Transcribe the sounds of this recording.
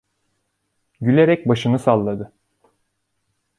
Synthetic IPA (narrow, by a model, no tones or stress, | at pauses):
ɟylʲeɾɛc̚baʃɯnɯsalˠːad̪ɯ